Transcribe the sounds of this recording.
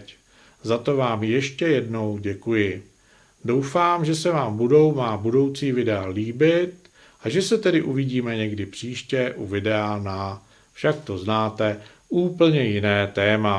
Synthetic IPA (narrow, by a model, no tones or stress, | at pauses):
c | zat̪o̞vaːmjɛʃcɛjɛdno̞wɟɛkujɪ | do̞wfaːmʒɛsɛvaːmbudo̞wmaːbudo̞wt͡siːvɪdɛaliːbɪt̪ | ʔaʒɛsɛt̪ɛdɪʔuvɪɟiːmɛɲɛɡdɪpr̥iːʃcɛʔuvɪdɛana | fʃakt̪o̞znaːt̪ɛ | ʔuːpl̩ɲɛjɪnɛːt̪ɛːma